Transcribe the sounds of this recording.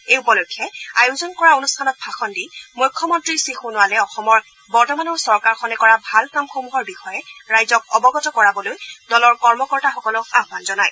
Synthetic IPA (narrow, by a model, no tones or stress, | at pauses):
eupɔlokʰːɛajʊzɔnkɔɹaonustʰanɔt̚bʱaxɔndimujkʰːɔmɔntɹisixunʊwalɛɔxɔmɔɹ | bɔɹtɔmanɔɹsɔɹkaɹxɔnɛkɔɹabʱalkamxomuɦɔɹbixɔjɛɹajzɔk̚ɔbɔɡɔtɔkɔɹabɔlojdɔlɔɹkɔɹmɔkɔɹtaxɔkɔlʊaɦbanzɔnaj